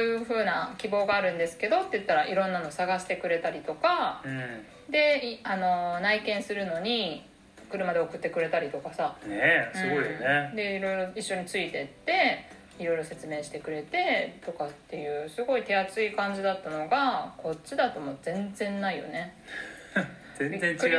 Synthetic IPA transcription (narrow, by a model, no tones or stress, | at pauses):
ojɯ̟ɸɯ̟ːnakʲibo̞ːɡaːɾɯ̟̃nd̪e̞sɨ̥ke̞d̪o̞t̪ːe̞jɯt̪ːaɾaʔiɾõ̞nːano̞saɡaɕi̥t̪e̞kɯ̟ɾe̞t̪aɾʲit̪o̞kã | d̪e̞ano̞naikẽ̞ɰ̃sɨɾɯ̟no̞ɲ̟i | kɯ̟ɾɯ̟mad̪e̞okɯ̟t̪ːe̞kɯ̟ɾe̞t̪aɾʲit̪o̞kasanesɯ̟ɨɡo̞ijoned̪e̞iɾo̞iɾo̞iɕːo̞ɲ̟it͡sɨit̪e̞t̪ːe̞ | iɾo̞iɾo̞se̞t͡sɨme̞ːɕi̥t̪e̞kɯ̟ɾe̞t̪e̞t̪o̞kat̪ːe̞jɯ̟ːsɨɡo̞it̪e̞at͡sɨikãɲ̟d͡ʑid̪at̪ːano̞ɡakʰo̞t͡ɕːid̪at̪o̞mo̞d͡zẽ̞nd͡zẽ̞nːaijo̞̰ne̞ | eẽ